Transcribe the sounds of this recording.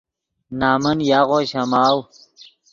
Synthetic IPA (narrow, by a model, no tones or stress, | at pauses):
naːmɐnjaːʁoːɕɐmaːw